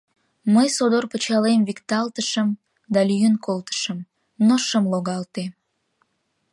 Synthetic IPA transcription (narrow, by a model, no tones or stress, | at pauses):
məjsod̪orpət͡ɕɑlemvikt̪ɑlt̪əʃəm | d̪ɑlyjənkolt̪ə̥ʃəm | noʃəmloɣɑlt̪e